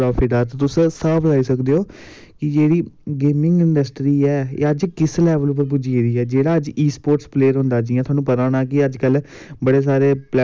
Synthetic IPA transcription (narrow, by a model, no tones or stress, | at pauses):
ɾɔːpʰɪʈaːt̪aːt̪ʊssaːblaːiːsəkd̪eːoː | kɪd͡ʒeːɽiːɡeːmɪ̃ŋɡɪɳɖəsʈɾiːɛːḛːəd͡ʒkɪslɛːʋəlp̬əɾp̬ʊd͡ʒieːɾiːɛːd͡ʒeːɽaːəd͡ʒiːspoːɾʈspleːəɾɦʊ̃ːnd̪aːd͡ʒiːãt̪ʰoaːnũːpət̪anaːkɪəd͡ʒkəl | bəɽeːs̬aːɾeːplɛ